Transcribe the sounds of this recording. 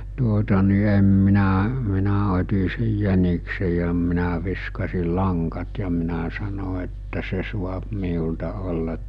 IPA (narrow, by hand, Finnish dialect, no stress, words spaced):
tuotɑ ni em minæ minæ otʲi sej jæniksej̆ jɑ minæ ʋiskɑsil lɑŋkɑt jɑ minæ sɑno etːæ se suɑp miultɑ olːɑt